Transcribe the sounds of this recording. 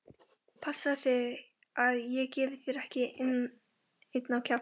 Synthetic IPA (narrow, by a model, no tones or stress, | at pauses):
pʰasaθɪ | aðjɛɣcɛːvɪθiɾɛhcɪʔɪn | ejt̪nawcʰa